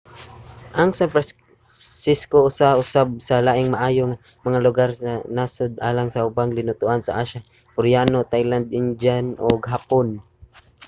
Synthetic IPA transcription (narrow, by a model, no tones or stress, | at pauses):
ʔaŋsanfɾa | sɪskoʔʊsaʊsab̚salaːʔɪŋmaʔaːjoŋa | mɐŋalʊɡaɾsanaːsʊd̪ʔa̰ːlaŋsaʊbaŋlɪnʊt̪ʊʔansa̰ʔaʃa | pʊɾjaːnot̪ajland̪̚ɪnd͡ʒanʔoɡɦapon